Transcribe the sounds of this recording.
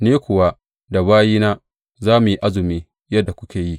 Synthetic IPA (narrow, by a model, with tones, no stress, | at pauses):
neː˦kʷʊ˨wa˦ | da˨βaː˦jiː˦naː˦ | zaː˦mʊ˨ji˦ʔa˦zʊ˨miː˦ | jɐ˦dːa˨kʷʊ˦kʲeː˨ji˦ʔ